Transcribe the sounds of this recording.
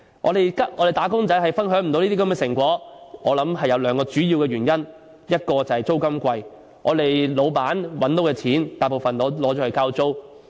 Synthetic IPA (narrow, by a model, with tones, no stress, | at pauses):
ŋɔ̰˨˧ɾe˨jkɐ˥ʔɔː˨˧ɾe˨˩t̪aː˨˥kʊ˥ŋt͡sɐ˨˥jhɐ˨jfɐ˥nɦœː˨˥ŋm̩˨˩t̪o˨˧wniː˥i˥kɐ˧mɛː˧sɪ˨˩ŋkʷɔː˨˥ŋɔː˨˧lɐ˨˥mɦɐ˨jːɐ˨˧wlœː˨˧ŋkɔː˧t͡ʃyː˨˥jiː˧wkɛː˧ɥyː˨˩njɐ˥n | jɐ˥t̚kɔː˧t͡sɐ˨whɐ˨jt͡so˥wkɐ˥mkʷɐ˧j | ŋʔɔ̰ː˨˧t̪e˨jlo˨˧wpaː˨˥nwɐ˨˥nt̪o˨˥wkɛː˧t͡sʰiː˨˥nt̪aː˨jpo˨wfɐ˨nlɔː˨˥lɔː˨˥t͡ʃɔː˨˥hɵ˧˥kaː˥wt͡so˥w